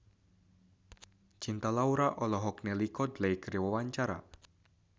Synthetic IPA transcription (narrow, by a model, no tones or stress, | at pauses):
t͡ʃint̪alauɾaʔɔlɔɦɔknelikɔd̪lejkəɾiwawaɲt͡ʃaɾa̰